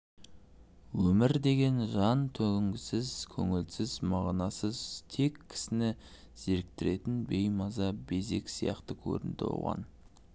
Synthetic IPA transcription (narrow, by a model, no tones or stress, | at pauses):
wɵmɪɾd̪e̞ɡʲe̞nʒɑnt̪ʰɵɡʲɪŋɡʲɪsɪzkʲʰɵŋɪlsɪzmɑʁnɑsəzt̪ʰe̞kʲʰːɪ̥sɪnɪ | z̥e̞ɾk̚t̪ɪɾe̞t̪ɪnbe̞jmɑzɑbe̞ze̞̰kʲsijɑ̰qt̪əkʲʰɵ̰ɾɪ̰nd̪ɪo̰wʁɑ̰n